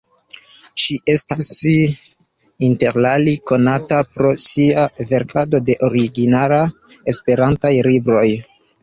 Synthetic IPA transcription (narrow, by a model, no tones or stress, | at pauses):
ʃiʔe̞stas | inte̞ɾlaliko̞natapɾo̞siave̞ɾkʰado̞de̞ʔo̞ɾiɡinalaespe̞ɾantajlibɾo̞j